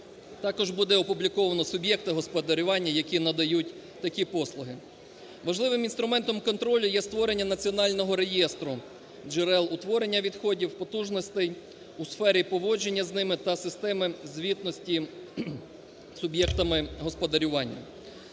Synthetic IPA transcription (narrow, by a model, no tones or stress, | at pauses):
t̪ɑkɔʒbud̪ɛɔpublʲikɔʋɐnɔsʊbʲjɛk̚t̪ɪɦɔspɔd̪ɐɾʲʊʋɑnʲːɐjɐkʲinɐd̪ɐjutʲ | t̪ɐkʲipɔslˠʊɦɪ | ʋɐʒlˠɪʋɪminst̪ɾʊmɛnt̪ɔmkɔnt̪ɾɔlʲʊjɛst̪ʋɔɾe̞nʲːɐnɐt͡sʲiɔnɑlʲnɔɦɔɾe̞jɛst̪ɾʊ | d͡ʒɪɾɛlˠʊt̪ʋɔɾenʲːɐʋʲid̪xɔdʲiwpɔt̪uʒnɔsʲt̪ɛj | usfɛɾʲipɔʋɔd͡ʒe̞nʲːɐznɪmɪt̪ɐsɪst̪ɛmɪzʲʋʲit̪nɔsʲtʲi | sʊbʲjɛk̚t̪ɐmɪɦɔspɔd̪ɐɾʲʊʋɑnʲːɐ̰